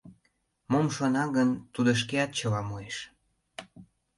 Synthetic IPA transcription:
momʃonɑɡənt̪ud̪ə̆ʃ̬keɑt̪̚t͡ɕəlɑmueʃ

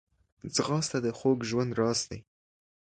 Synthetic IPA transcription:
zɣɑst̪ad̪əxoɡʒwand̪ɾɑsd̪a̰j

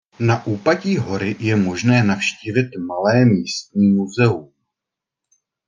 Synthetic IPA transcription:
naʔuːpaciːɦo̞ɾɪjɛmo̞ʒnɛːnafʃciːvɪt̪malɛːmiːst̪̚ɲiːmuzɛum

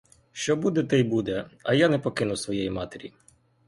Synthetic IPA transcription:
ʃt͡ʃɔbud̪ɛt̪ɛjbud̪ɛɐjanɛpɔkɪnʊsʋɔjɛjimɑt̪eɾʲḭ

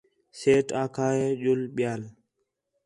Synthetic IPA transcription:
seːʈãːkʰaːjeːʄʊlɓɪjaːl

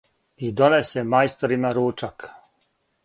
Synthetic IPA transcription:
id̪o̞nesemajst̪oɾimaɾuːt͡ʃak

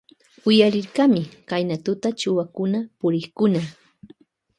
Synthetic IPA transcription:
ʊjaɾɪɾkamɪkajnat̪ʊt̪at͡ʃʊwakʊnapʊɾɪχkʊna

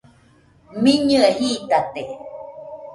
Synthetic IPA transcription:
miɲɨahiːt̪at̪e

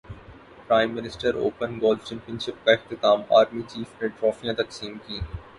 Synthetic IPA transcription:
pɾaːɪ̃mːɪnɪsʈəɾo̰ːpənɡoːlft͡ʃɛ̃mpijə̃nʃɪp̚kaɪxt̪ɪt̪aːma̰ːɾmit͡ʃiːfnẽʈɾɔːfijãt̪ɐksiːmkiː

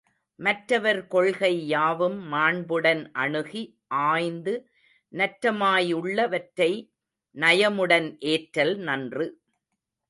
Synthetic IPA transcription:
mɐʈɾɐʋɐɾkɔɭɣɐɪːaːʋɯmːaːɳbɯɽɐnʔɐɳɯɣi | ʔaːjnd̪ɯ | nɐʈɾɐmaːjɯɭːɐʋɐʈɾɐɪ | nɐjɐmɯɽɐnʔeːʈɾɐlnɐndrɯ

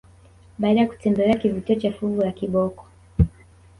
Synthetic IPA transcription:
ɓaːɗajaku̥tɛmbɛlɛakivutiɔt͡ʃafuvulakiɓɔkɔ̥

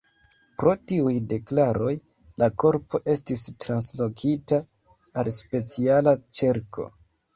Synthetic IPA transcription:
pɾo̞tiujde̞klaɾo̞j | lako̞ɾpo̞ʔe̞stistɾanslo̞kitaː | lspe̞t͡sialat͡ʃeɾkʰo̞̰

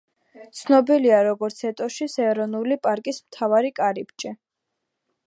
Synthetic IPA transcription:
t̪sʰnɔbiliaɾɔɡɔɾt̪sʰɛt̪ʼɔʃisɛːɾɔnulipʼaɾkʼismt̪ʰavaɾikʼaɾipt͡ʃʼɛ

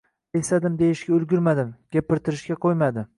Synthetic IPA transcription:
esad̪ɪmd̪e̞jɪʃɡʲaʊlˠɡʲʊɾmad̪ɪmɡʲapːɪɾt̪ʰɪɾɪʃkʲaqʰojmad̪ɪ

